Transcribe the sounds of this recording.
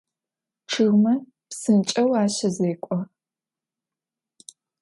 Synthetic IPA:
ʈ͡ʂʰɨɣmɐ | psɨnt͡ʃʼɐwaːɕɐzeːkʷʼɔ

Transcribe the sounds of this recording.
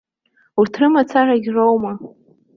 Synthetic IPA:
utʰrɨmat͡sʰaraɡʲrʷowma

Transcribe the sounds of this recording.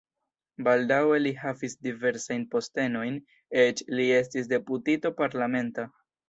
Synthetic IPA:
baldawe̞liɦavisdive̞ɾsajnpo̞ste̞no̞jn | et͡ʃlie̞s̬tis̬de̞putitopaɾlame̞nta

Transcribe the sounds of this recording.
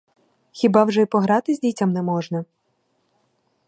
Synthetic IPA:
xʲibɑwʐɛpɔɦɾɑt̪ɪzʲdʲitʲɐmnɛmɔʒnɐ

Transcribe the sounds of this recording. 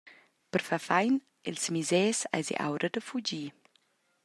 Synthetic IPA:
pəɾfafajn | ɛlsmizɛːsa̰jzḭʔa̰wɾəd̪əfud͡ʒiː

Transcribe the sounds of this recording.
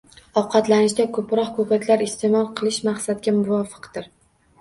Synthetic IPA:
ɒqʰɑt̪lanɪʃd̪akʰɵpɾɒqkʰopakʲlaɾɪst̪ʰe̞mɒlˠqʰɨlˠɪʃmaχsat̪̚ɡʲamʊvɒfɨ̥qd̪ɪɾ

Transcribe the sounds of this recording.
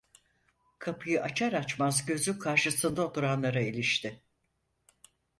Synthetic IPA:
kʰapʰɯjɯʔat͡ʃʰaɾat͡ʃmazɟø̞zykʰaɾʃɯsɯnd̪ao̞t̪ʰuɾanlˠaɾailʲiʃt̪ʰɪ

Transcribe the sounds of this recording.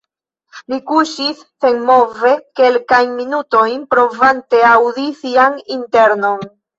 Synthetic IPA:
likuʃisːe̞nmo̞ve̞ke̞lkajnminuto̞jnpɾo̞vante̞awdisianinte̞ɾno̞n

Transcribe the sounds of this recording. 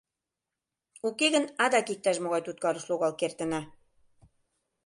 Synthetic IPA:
ukeɣə̆nɑd̪ɑkik̚t̪æʃmoɣɑjt̪ut̪̚kɑɾə̆ʃloɣɑlkert̪ə̆nɑ

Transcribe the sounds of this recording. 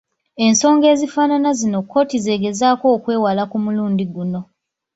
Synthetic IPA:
e̞nso̞ːŋɡe̞ːzifaːnanazino̞kʰːo̞ːtize̞ːɡe̞zaːko̞ːkwe̞ːwalakumuluːndiɡuno̞

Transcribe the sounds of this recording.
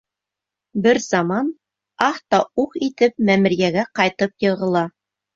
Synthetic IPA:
bɘɾz̥ɑmɑn | ɑht̪ɑuqit̪ɘp̚mæmɘ̆ɾjæɡæqɑjt̪ɤpjɤ̆ʁɤ̆lˠɑ

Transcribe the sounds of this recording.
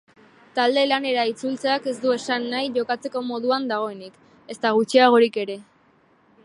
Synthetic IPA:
t̪ald̪e̞lane̞ɾait͡sult͡seake̞zd̪ue̞sanːajʝo̞kat͡se̞ko̞mo̞ðuand̪aɣ̞o̞e̞nik | e̞st̪aɣ̞ut͡ʃiaɣ̞o̞ɾike̞ɾe̞

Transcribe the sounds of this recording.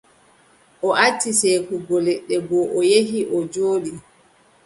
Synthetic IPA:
ʔɔʔatːisekuɡɔlɛɗːɛɡɔʔɔjeɦiʔɔd͡ʒoːɗi

